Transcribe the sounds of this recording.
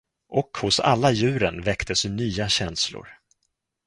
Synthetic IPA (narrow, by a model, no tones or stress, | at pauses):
ʔɔkhʊsa̰lːajʉ̟ːɾənvɛkt̪ʰəsʏnyːaɕɛnslʊ̰ɾ